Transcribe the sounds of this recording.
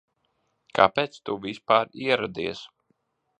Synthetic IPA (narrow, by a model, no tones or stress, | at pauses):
kʰa̰pɛːt̪st̪uvispaːɾiɛɾad̪iɛs